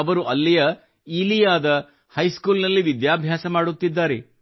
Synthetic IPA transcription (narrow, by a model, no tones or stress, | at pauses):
ɐʋɐɾuʔɐlːijɐ | iːlijaːd̪ɐ | hɐjskuːlnɐlːiʋid̪jaːbʱjaːsɐmaːɽut̪ːid̪ːaːɾe